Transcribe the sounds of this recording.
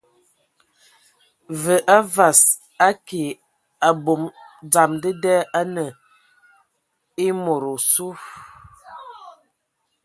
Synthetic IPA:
və˨ʔa˦va˨s | a˦ke˨ | a˨bo˨md͡za˨mdə˦dɛ˦a˦nə˨ | i˦mo˨ɾo˨su˦f

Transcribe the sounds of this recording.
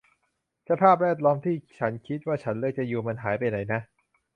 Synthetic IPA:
sʰa˧pʰaː˥˩p̬̚ɾɛː˥˩t̪̬̚lɔː˦˥mt̪ʰiː˥˩t͡ɕʰa˦˥nkʰi˦˥t̪̚waː˥˩t͡ɕʰa˦˥nlɤː˥˩t͡ɕa˨juː˧ma˧nɦaː˩˦jpa˧jna˩˦jna˦˥ʔ

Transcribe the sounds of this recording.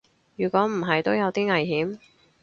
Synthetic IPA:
jyː˨˩kʷɔː˨˥m̩˨˩ɦɐ˨jt̪o˥wjɐ˨˧wt̪iː˥ŋɐ˨jɦiː˨˥m

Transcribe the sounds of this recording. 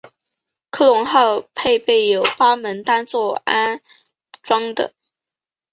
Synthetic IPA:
kʰɤ˥˩lʊ˧˥ŋxɑ˥˧ʊpʰe˥˧ɪpe˥˩ɪjo˨˩ʊpa˥mə˧˥nt̪a˥nt͡swɔ˥˩a˥n | ʈ͡ʂwɑ˥ŋd̪ə̰˨˩

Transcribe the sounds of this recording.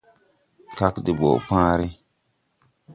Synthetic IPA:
ka˦kdi˨bo̰˨pãː˦ɾi˦

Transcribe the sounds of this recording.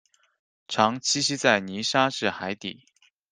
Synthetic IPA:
ʈ͡ʂʰɑ˧˥ŋt͡ɕʰi˥ɕi˥t͡sa˥˩ɪni˧˥ʂa˥ʂɻ̩˥˩xa˧˥ɪt̪ḭ˨˩˦

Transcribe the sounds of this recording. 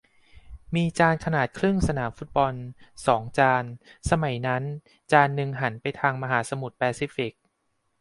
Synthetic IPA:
miː˧t͡ɕaː˧nkʰa˧naː˨˩t̪̚kʰɾɯ˥˩ŋsa˧naː˩˦mfu˦˥t̪̚bɔ˧nsɔː˩˦ŋt͡ɕaː˧nsa˧ma˩˦jna˦˥n | t͡ɕaː˧nːɯ˧ŋɦa˩˦npa˧jt̪ʰaː˧ŋma˧ɦaː˩˦sa˧mu˨˩t̪̚pɛː˧siː˧˦˥fi˨˩k̚

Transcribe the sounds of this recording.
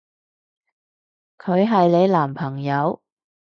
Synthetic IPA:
kʰɵ˨˧ɥɦɐ˨jle˨˧jlaː˨˩mpʰɐ˨˩ŋjɐ˨˧w

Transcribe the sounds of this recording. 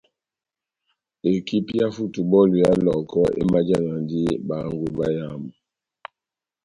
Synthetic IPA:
e˨ki˦pja˦fu˦˨tu˨bɔ˦˨lu˨ja˦lɔ˨kɔ˦ʔḛ˦ma˦d͡ʒa˦˨ŋa˨ndi˦ba˨˦ŋɡu˦ba˦ja˦˨m˨

